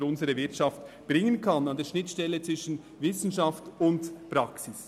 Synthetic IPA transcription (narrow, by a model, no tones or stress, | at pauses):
ɾʊnzəɾəvɪɐtʃɑft | b̥ʁɪŋənkʰɑnɑndeːɐʃnɪtʃtɛlːət͡sʋɪʃn̩ | vɪsn̩ʃɑftʊndpɾɑksɪs